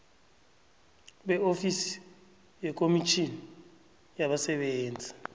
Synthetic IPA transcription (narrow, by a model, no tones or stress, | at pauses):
ɓɛofisi̥ | jɛk̬ʼomit͡ʃʰini | jaɓasɛɓeːnd͡zʱi̥